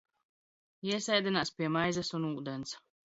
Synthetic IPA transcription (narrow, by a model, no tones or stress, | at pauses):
iɛsɛjd̪ʲɛnaːspʲiɛmajzɛsunuːd̪ɛns